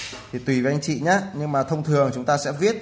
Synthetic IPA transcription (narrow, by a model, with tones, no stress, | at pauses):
t̪ʰi˨˩t̪wi˨˧˩vi˨ʔa˧jŋ̟t͡ɕḭ˧˨ɲaː˨˦ɲɨ˧ŋmaː˨˩t̪ʰə˧wŋ͡mt̪ʰɨ˨˩əŋt͡ɕʊ˨˦ŋ͡mt̪aː˧sɛ̰˧˥vi˦˥ət̚